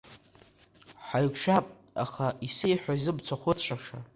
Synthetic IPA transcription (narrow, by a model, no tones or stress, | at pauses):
ħaɥkʰʃᶣapʼ | a̰χaisejħʷᶣaizɨbt͡sʷʰaχʷʊt͡ɕʷʰaʂa